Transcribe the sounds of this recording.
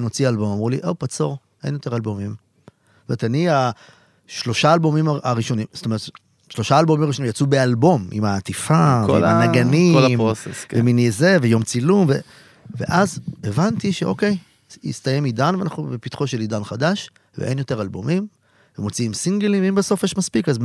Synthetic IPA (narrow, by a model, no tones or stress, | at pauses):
mo̞t͡sialbo̞mamʁuliʔopat͡so̞ʁ | ʔe̞̰njot̪e̞ʁalbo̞mim | tom̞etania | ʃlo̞ʃaːlbo̞mimaaʁiʃo̞nimzotome̞ʁet̪ | ʃlo̞ʃaːlbo̞mimaʁiʃonimjat͡subealbo̞mḭmaːt̪ifakv̰ḭmanaɡaniolmoseskveminezevejo̞mt͡silumve | ve̞̰ʔazevant̪iʃeʔo̞ke̞j | ḭst̪ajemidanveana̰χnubepit̪χo̞ʃelid̪anχadaʃ | vḛʔḛnjo̞te̞ʁalbomim | vemo̞t͡siimsiŋɡelĩmveimbeso̞fjeʃmaspikaz